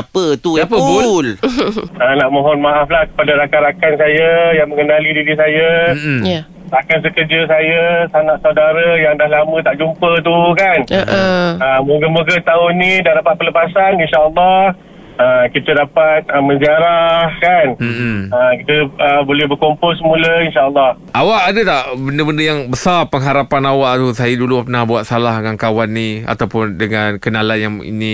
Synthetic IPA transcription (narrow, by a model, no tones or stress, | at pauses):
apət̪uapəbul | ənaʔmoɦɔnmaaflahkə̥padaɾakaɾakansajajaŋmə̃ŋənalidiɾis̬aja | sakans̬əkərd͡ʒəsajasanaʔsawdaɾəjaŋdahlamə̃t̪aʔd͡ʒumpət̪̬ukan | əmuɡəmoɡət̪aʊnĩdaɾapat̪̚pələpasaninʃaʔəlːɔh | əkit̪ədapat̪̚əmə̃nziaɾahkanmʔməkit̪əəbolɛhbərkompʊlsəmũləinʃaʔəlːɑh | ʔawaʔadət̪aʔbəndəbəndəjaŋbəsarpəŋɦaɾapanawaʔt̪usajədulupənahbuat̪̚salaɦŋankawanːĩa̰t̪awpʊndəŋãnkənalanjaŋḭnĩ